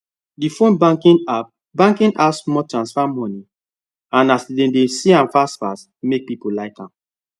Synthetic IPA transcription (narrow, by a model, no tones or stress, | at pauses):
difõnbakĩna | bãŋkĩnasmɔtɹãnsfamɔni | ãnasdẽndesiãnfasfa̰s | mek̚pipolaɪkãm